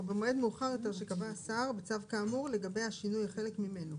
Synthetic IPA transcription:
vemoed̪meuχaʁjo̞t̪e̞ʁʃekavasaʁbet͡savkaːmuʁle̞ɡabe̞jhaʃinujχe̞lekmime̞no

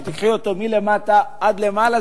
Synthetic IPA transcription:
t̪ikχiot̪o̞mile̞mataad̪le̞maːla

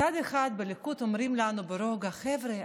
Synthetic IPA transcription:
ad̪eχad̪belekut̪o̞mɾimlanubeɾo̞ɡaχevɾe

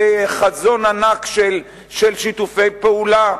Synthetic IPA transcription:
χazo̞nanakʃel | ʃelʃit̪ufe̞jpeula

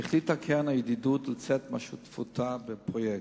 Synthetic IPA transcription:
iχlit̪akʰenajed̪id̪ut̪let͡sɛt̪maʃut̪fut̪ʰabepʁojek

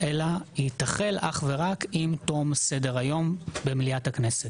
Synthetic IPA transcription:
ʔe̞lahitaχe̞lʔa̰χve̞ʁakimto̞mse̞de̞ʁajo̞mbemliathakne̞set

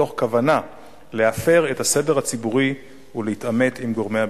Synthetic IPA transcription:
o̞χkavana | le̞afe̞ʁe̞thase̞de̞ʁhat͡sibuʁi | ulehitame̞timɡo̞ʁmeja

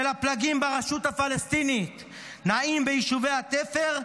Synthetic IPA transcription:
elaplaɡimbaʁeʃut̪hafalest̪init̪ | naimbejiʃuvejhat̪efeʁ

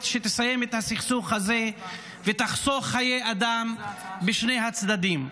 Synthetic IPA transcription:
tʃet̪esajemet̪hasiχsuχhaze | vet̪aχsoχajejad̪ambeʃne̞jɦat͡sd̪ad̪im

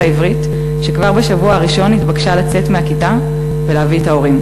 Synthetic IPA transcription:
aivʁit | ʃekvaʁbeʃavuaaʁiʃo̞nitbaɡʃalat͡se̞tmeakita | veleavietao̞ʁim

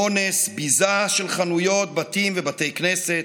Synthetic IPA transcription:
onesbizaʃelχanujo̞t̪̚bat̪imvebat̪ejkneset̪

